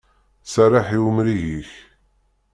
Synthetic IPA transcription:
sarˤaħiwmɾiʝiç

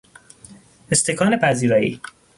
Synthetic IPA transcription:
est̪ʰekʰɒːne̞pʰæziːɾɒːjḭː

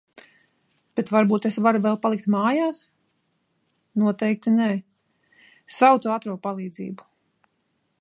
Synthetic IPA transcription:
b̥et̪vaɾbuːt̪esvaɾuvɛlˠpalˠik̚t̪maːjaːs | nuɔt̪ɛjk̚t̪inɛː | sawt̪suat̪ɾuɔpalˠiːd̪zḭːbu̥

